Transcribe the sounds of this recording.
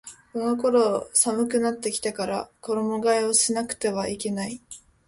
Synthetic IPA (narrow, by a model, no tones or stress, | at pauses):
kono̞ko̞ɾo̞samɯ̟kɯ̟nat̪ːe̞kʲi̥t̪ekaɾa̰ko̞ɾo̞moɡaeo̞ɕinakɯ̟̥t̪e̞βaike̞nai